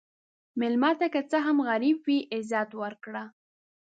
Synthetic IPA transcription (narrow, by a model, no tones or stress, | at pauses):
mɪlmɑt̪akət͡səɦamɣaɾibwiʔɪzɑt̪wəɾkɽa